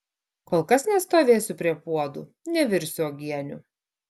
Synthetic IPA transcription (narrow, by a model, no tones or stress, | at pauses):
koːlˠkɐsnʲɛst̪oːʋʲeːsʲʊpʲɾʲiɛpuɔd̪ṵ | nʲɛʋʲɪɾʲsʲʊɔɡʲiɛnʲʊ